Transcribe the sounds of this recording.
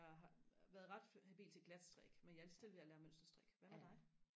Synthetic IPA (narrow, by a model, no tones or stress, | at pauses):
ɑ̈ɦʋæːɐð̞̩ˠʁɑ̈d̥hæb̥ḭlt͡sʰe̝ɡ̥læd̥sd̥ʁɛɡ̥menjɑ̈ælist͡sʰelʋe̝ælæːɐmøn̰sd̥ɐsd̥ʁɛɡ̥ʋæʋɑd̥ɑ̈ɪ